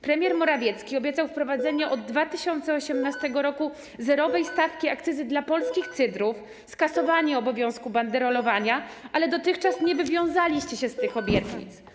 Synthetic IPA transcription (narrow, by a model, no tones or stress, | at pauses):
pɾɛmʲjɛɾmɔɾavʲjɛt̪skʲiɔbʲjɛt̪sawfpɾɔvad̪zɛɲɛʔɔd̪ːvat̪ɘɕɔnt̪sɛɔɕɛmnast̪ɛɡɔɾɔku | zɛɾɔvɛjst̪afkʲiakt̪sɘzɘd̪lapɔlskʲixt̪sɘd̪ɾuf | skasɔvaɲɛɔbɔvʲjɔ̃w̃skuband̪ɛɾɔlɔvaɲaalɛd̪ɔt̪ɘxt͡ʂasɲɛvɘvʲjɔ̃w̃zalʲiɕt͡ɕɛɕɛst̪ɘxɔbʲjɛt̪ɲḭt̪s